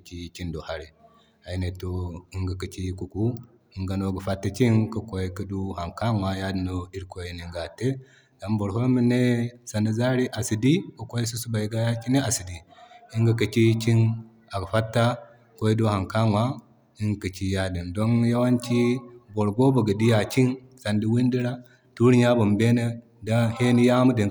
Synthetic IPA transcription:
t͡ʃi˦t͡ʃi˦ndo˨ha˦ɾi˨ | a˨i˨˦ne˨to˦i˦ŋɡa˨kə˨t͡ʃi˦ku˨ku˦ | i˨˦ŋɡa˨˦no˦˨ɡə˨fa˦tːa˨t͡ʃi˦nkə˦ko˦ji˦kə˦du˦ha˨ŋka˦ŋwa˨ja˦di˨no˦i˦ɾko˦ji˦ni˨ŋɡa˨te˦ | ɡa˨˦mbo˨ɾɦo˦mi˦ne˦sa˨na˨za˦ɾi˦ʔa˨si˨di˦ku˦ko˦ji˦su˦su˦ba˨i˨ɡa˦ja˦t͡ʃi˦ne˦a˨si˨di˨i˦ŋɡa˦kə˨t͡ʃi˦t͡ʃi˦n | a˨ɡɸa˦tːa˦ | ko˦i˦du˦ha˨ŋka˦ŋwa˦ | i˦ŋ˨kə˨t͡ʃi˦ja˦di˨ndo˦nja˦wa˦nt͡ʃi˦bo˨ɾɡo˦ba˨ɡə˨di˦ja˨t͡ʃi˦n | sa˨ndi˦wi˦ndi˦ɾa˦ | tu˦ɾɲa˦bo˨mbe˦ne˦ | da˦he˦ni˦ja˦mu˦di˨

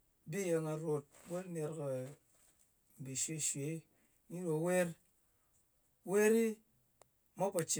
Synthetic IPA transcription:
bi˦je˧ŋa˨ɾo˨t̚bo˦ne˧ɾke˨ | m̩˨bi˨ʃe˦˨ʃwe˨˦ | ɲi˦ɾo˨˦we˦ɾ | we˦ɾi˦ | ma˦pa˨t͡ʃi˨

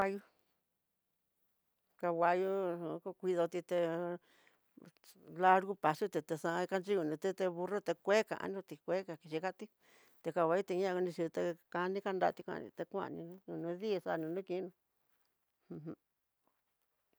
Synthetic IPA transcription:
a˧ju˧ | ka˧wa˧ju˦˧ko˧kʷi˧ðo˧t̪i˧t̪e˧ | la˦ɾɣu˦pa˨su˦t̪e˧t̪e˧sã˧ka˧nd͡ʒi˦u˧˨nũ˧t̪e˦t̪e˧βu˧ro˦t̪e˧kʷe˦kã̰˨ʔa̰˧nũ˧t̪i˧kʷe˦ka˨ki˧ʃi˧ka˦t̪i˦ | t̪e˧ka˧wʷa˧˦u˦t̪e˧ɲã˦˧knĩ˧ʂi˧t̪e˧ka˧nĩ˦ka˧nda˧t̪i˧kʷã̰˧nḭ̃˧t̪e˧kʷã̰˦ʔnḭ̃˧nũ˦nũ˧nũ˧˦ði˦˧sa˦˧nũ˧nũ˦kĩ˧˦nũ˧ | hũ˧ɦũ˧

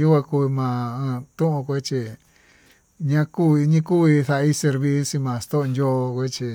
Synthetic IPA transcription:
u˦kʷã˧ku˧mã˧˨ã˧t̪ũ˦ʔõ˧kʷe˦t͡ʃi˧ | ɲã˦kuː˦i˧ɲĩ˦ku˦i˧θa˧i˦se˧ɾβi˧˦si˧mã˨st̪o˦ʔndʲo˦˧kʷe˦t͡ʃi˧

